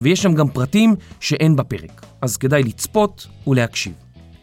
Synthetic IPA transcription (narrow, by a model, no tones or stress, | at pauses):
vejeʃlamɡampʁatimʃeʔe̞nbape̞̰ʁekʔazke̞dajlit͡spo̞tulehakʃḭv